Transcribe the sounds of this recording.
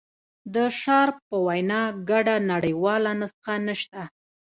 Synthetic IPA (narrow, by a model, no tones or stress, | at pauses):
d̪əʃɑɾpəwajnɑɡaɖanaɽəjwɑlanasxanəʃt̪a